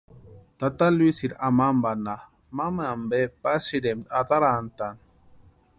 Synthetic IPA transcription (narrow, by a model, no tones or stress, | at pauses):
tatalwisiɾamambana | mamambɛpasiɾɛmataɾantan